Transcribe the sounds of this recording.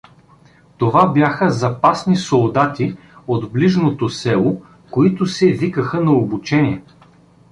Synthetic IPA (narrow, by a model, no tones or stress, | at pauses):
t̪ovabjaxəzɐpasnisolˠd̪at̪i | od̪bliʒnot̪osɛlˠo | koit̪ʊsɛvikəxənɐobut͡ʃɛniɛ